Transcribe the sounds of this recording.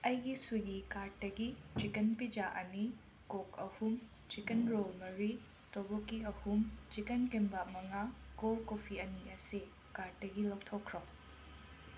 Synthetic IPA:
ɐjɡisuɡikaɾt̚dɐɡit͡ʃikenpid͡ʒaʔɐni | kokɐhum | t͡ʃikenɾolmɐɾi | tobokːiɐhumt͡ʃikenkembamɐŋaɡolkopʰiɐniɐse | kaɾ̚dɐɡilɐwtʰokʰːɾɐw

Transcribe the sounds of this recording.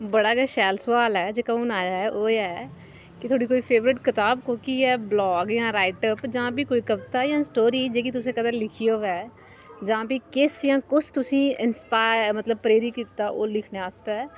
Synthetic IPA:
bəɽaːɡaʃɛːlsʋaːlɛːd͡ʒeːkaũːnaːjaːɛʔoːɛː | kɪt̪ʰoːɽiːkoːiːpʰeːʋɾɪʈkɪt̪aːbkõːkiːɛːblɔːɡjãːɾaːɪʈəpd͡ʒãːpiːkoːikəbt̪aːjãːsʈoːɾiːd͡ʒeːkit̪ʊs̬ẽːkəd̪əɾlɪkʰijoːʋɛː | d͡ʒãːpiːkɪːsɪjãːkʊsʰt̪ʊsĩːɪnspaːɪɾmət̪ləb̚pɾeːɾiːkiːt̪aːʔoːlɪkʰneaːst̪ɛː

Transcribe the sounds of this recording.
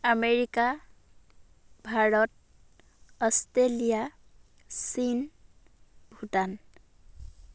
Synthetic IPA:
ameɹika | bʱaɹɔt̚ | ɔstelija | sin | bʱutan

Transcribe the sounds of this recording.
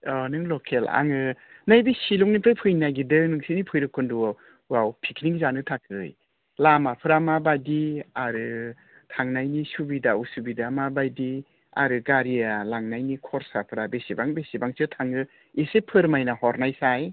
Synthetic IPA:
ɔnɯŋlɔkʰela̰ŋɯ | najbesiluŋnipʰɯjpʰɯjnajɡidɯnɯŋsinipʰɯjɾɯkʰːɯndu | wawpʰikʰniŋzanɯtʰakʰɯj | lamapʰɯɾamabajdiaɾɯ | tʰaŋnajnisubidausubidamabajdi | a̰ɾɯɡaɾijalaŋnajnikʰɔɾsapʰɯɾabesibaŋbesibaŋsɯtʰaŋɯ | esepʰɯɾmajnahɔɾnajsaj

